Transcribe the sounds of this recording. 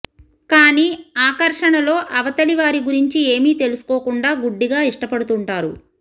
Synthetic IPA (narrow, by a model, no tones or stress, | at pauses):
kaːniːaːkɐɾʂɐɳɐlo̞ːʔɐʋɐt̪ɐliʋaːɾiɡuɾiɲt͡ʃie̞ːmiːt̪e̞lusu̥ko̞ːkuɳɖaːɡuɖːiɡaːiʂʈɐpɐɽut̪uɳʈaːɾu